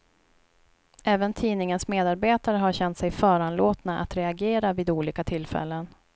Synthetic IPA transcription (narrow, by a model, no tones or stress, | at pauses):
ʔɛːvənt̪ʰiːnɪŋənsmeːd̪aɾbeːt̪aɾəɦaɾɕɛnt̪sɛjfœːɾanloːt̪naʔa̰t̪ɾɛaɡeːɾaviːd̪uːliːkat̪ʰɪlfɛ̰lːən